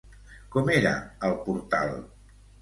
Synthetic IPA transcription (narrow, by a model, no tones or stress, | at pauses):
kɔmeɾə̰əlˠpuɾt̪a̰lˠ